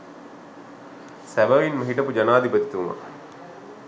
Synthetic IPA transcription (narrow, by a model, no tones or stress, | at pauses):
sæʋɐʋinməɦiʈɐpud͡ʒanaːd̪ipɐt̪i̥t̪uʋuma̰